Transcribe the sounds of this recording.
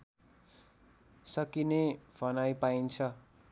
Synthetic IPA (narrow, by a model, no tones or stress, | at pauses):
sʌkinebʰʱʌnajpaint͡sʰʌ